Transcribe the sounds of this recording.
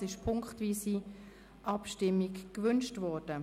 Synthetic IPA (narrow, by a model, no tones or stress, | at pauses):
ɪʃpʰʊŋkχtviːsi | ʔɑpʃtɪmːikkvʏnʃtvɔːɾd̥ə